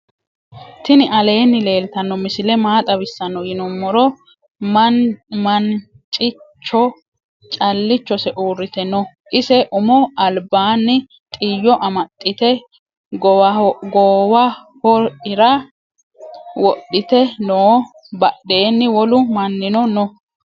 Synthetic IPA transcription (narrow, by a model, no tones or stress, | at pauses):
t̪ɪnɪʔɐle̞ːnːɪle̞ːlt̪ɐnːɔmɪsɪlɛmaːt̪ʼɐbɪsːɐnːɔɡɪnɔmːɔɾɔ | mɐn | t͡ʃʼɪt͡ʃːɔ | t͡ʃʼɐlːɪt͡ʃːɔsɛʔuːɾːɪt̪ɛnɔ | ʔɪsɛʔʊmɔɐlbaːnːɪ | t̪ʼɪjːɔʔɐmɐt̪ʼːɪt̪ɛ | ɡɡɔːwɐ | hɔɾɪɾɐ | wɔɗːɪt̪ɛnoː | bɐɗːe̞ːnːɪwɔlʊmɐnːɪnɔnɔ